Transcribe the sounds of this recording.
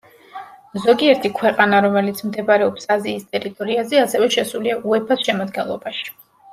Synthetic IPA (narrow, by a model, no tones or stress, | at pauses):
zɔɡiɛɾt̪ʰikʰwɛqʼanaɾɔmɛlit̪sʰmd̪ɛbaɾɛɔpsaziːst̪ʼɛɾit̪ʼɔɾiazɛasɛvɛʃɛsuliaʔuɛpʰasʃɛmad̪ɡɛnlˠɔbaʃi̥